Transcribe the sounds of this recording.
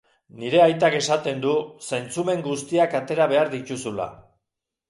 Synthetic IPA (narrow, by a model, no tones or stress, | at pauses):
niɾe̞ajt̪ake̞sat̪e̞nd̪usejnt͡sume̞ŋɡust̪iakat̪e̞ɾaβ̞e̞aɾðic̪usula̰